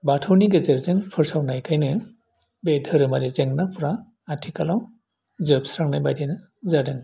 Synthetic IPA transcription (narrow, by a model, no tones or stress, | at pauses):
batʰɯwniɡezeɾzeŋpʰɯɾsawnajkʰajnɯ | bedʱɯɾɯmaɾizeŋnapʰɾaː | tʰikalaw | zɯpsɾaŋnajbajdajnɯ | zadɯŋ